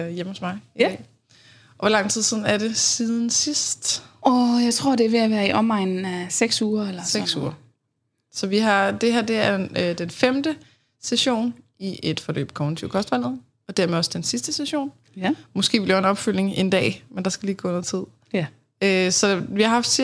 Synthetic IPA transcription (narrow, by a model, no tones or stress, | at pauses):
jem̰hosmɑ̈ɪiɛ̰ː | ɒʋɒlɑ̈ŋ̰t͡sʰið̞̰ˠsiːð̞ˠn̩æɐɾe̝siːð̞ˠn̩sisd̥ɒjɑ̈ɪt͡sʰʁo̝ɐd̥e̝ʋeæʋæːɐiʔɒmɑɪ̰nn̩æseɡ̥suːɐelɐse̥suːɐ | sɒ̽ʋiɦɑ̈d̥e̝ɦæɐ̰d̥e̝æɐd̥enfemd̥ə | seɕo̝̰ːn | iʔe̝d̥fɒ̽lø̰ːb̥̚kʰɒ̽ʊnt͡sʰiʊkʰɒ̽sd̥ʋæl̰ð̞̩ˠ | ɒ̽d̥æɐmeɒ̽sd̥ensisd̥əseɕo̝̰ːn | mɔ̽sɡ̥e̝̰ːʋil̥enɒ̽b̥fyl̰e̝ŋe̝nd̥ɛ̰ːmend̥ɑ̈sɡ̥æliːɡ̥ɔ̰ːenɐt͡sʰið̰ˠ | øsɒ̽ʋihɑ̈ɦɑ̈fd̥